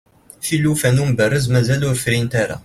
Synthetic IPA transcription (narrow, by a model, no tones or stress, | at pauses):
filːufænumbərːəzmæzælʊɾfɾint̪aɾa̰